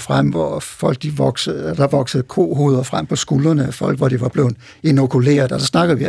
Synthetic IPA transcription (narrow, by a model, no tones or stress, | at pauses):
fʁam̰ʋɒfɒ̽l̰ɡ̥̚d̥iʋɒɡ̥sd̥ɑ̈ʋɒ̽ɡ̥səð̩ˠkʰo̝̰ːɦo̝ːðˠɐfʁam̰pʰɒ̽sɡ̥ulɐnəæfɒ̽l̰ɡ̥ʋɒd̥iʋɑ̈b̥le̝ʊ | eno̝kʰule̝̰ːɐðˠɒ̽sɑ̽snɑ̈ɡ̥əð̩ˠʋi